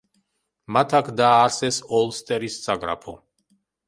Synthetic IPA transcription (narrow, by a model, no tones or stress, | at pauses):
mat̪ʰakʰd̪aːɾsɛsɔlˠst̪ʼɛɾissʼaɡɾa̰pʰɔ